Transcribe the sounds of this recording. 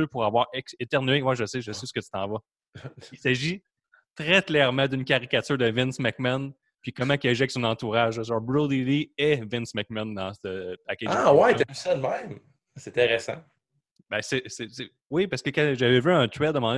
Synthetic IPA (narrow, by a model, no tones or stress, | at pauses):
øpuʁavwɑːʁɛkset̪ɛʁnyewɛʒəseʒəsɪsə̥kət͡s̪y̥t̪ɑ̃vɔ | isaʒi | t̪ʁɛklɛʁmɑ̃d̪ynkʲaʁikʲat̪yːʁd̪əvɪ̃nsmakman | pikʌmãkʲɛʒɛk̚sɔ̃nɑ̃t̪uʁaʒəsɔʁbɹulˠd̪ilievɪ̃nsmak̚mãnd̪ɑ̃səpakʲeawat̪ɛmsɛnmɛ̃ɪ̃m | sɛt̪ɛʁɛsã̰ | bɛ̃sɛsɛse | wipaʁsə̥kəkãʒavɛvyə̃t̪ɥɛt̪d̪əmɑ̃d̪